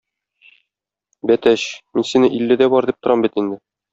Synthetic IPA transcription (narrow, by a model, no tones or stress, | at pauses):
bæt̪æɕminsinɘʔilːɘd̪æbɒɾd̪ip̚t̪ŏɾɑmbit̪ind̪ɘ